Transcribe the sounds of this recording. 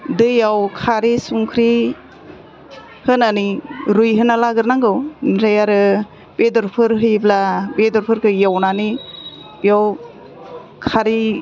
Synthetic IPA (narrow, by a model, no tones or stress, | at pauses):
dɯjawkʰaɾisuŋkʰɾi | hɯnaniɾujɦɯnalaɡɯɾnaŋɡɯwnɾajaɾɯ | bedɔɾpʰɯɾɦɯjblabedɔɾpʰɯɾkʰɯjawnani | bijaw | kʰaɾi